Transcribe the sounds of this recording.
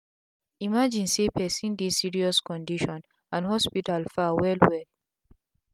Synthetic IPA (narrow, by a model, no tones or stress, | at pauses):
imad͡ʒĩnsepɛsĩndissiɹiɔskɔ̃ndiʃɔ̃n | ãnhɔspitalfawɛlwɛl